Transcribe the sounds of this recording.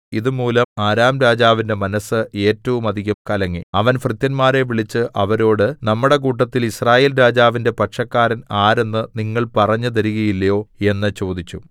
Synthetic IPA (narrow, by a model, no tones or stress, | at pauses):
iðumuːlɐmaːɾaːmɾaːd͡ʑaːʋinde̞mɐnɐsɨe̞ːtːɐʋumɐd̪ʱiɣɐmkɐlɐŋːḭɐʋɐnfrɨt̪jɐnmaːɾe̞ʋiɭit͡ɕːɨʔɐʋɐɾo̞ːɽɨnɐmːuɽe̞k̬uːʈːɐt̪ːilisraːjeːlɾaːd͡ʑaːʋinde̞pɐʈʂɐkːaːɾɐnaːɾe̞nːɨniŋːɐɭpɐrɐɲːut̪ɐɾuɣɐjilːɐjo̞ːe̞nːɨt͡ɕo̞ːd̪it͡ɕːu